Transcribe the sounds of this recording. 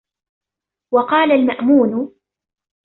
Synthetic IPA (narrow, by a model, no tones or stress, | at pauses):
wɑqɑːlalmaʔmuːn